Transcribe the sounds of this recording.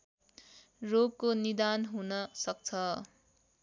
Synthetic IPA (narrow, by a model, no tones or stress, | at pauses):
roɡ̚konid̪anɦunʌsʌk̚t͡sʰʌ